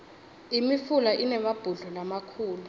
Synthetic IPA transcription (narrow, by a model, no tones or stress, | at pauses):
imifulaʔinɛmab̥ʱuɮɔlamakʰuːlu